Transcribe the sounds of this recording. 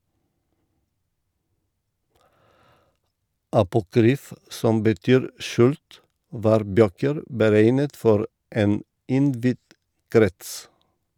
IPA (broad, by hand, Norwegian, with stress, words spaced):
ɑpʊˈkɾyːf ˈsɔm bəˈtyːɾ ˈʃʉːlt ˈʋɑːɾ ˈbøːkəɾ bəˈɾeɪnət ˈfɔɾ ˈeːn ˈɪnˌdʋɪd ˈkɾɛts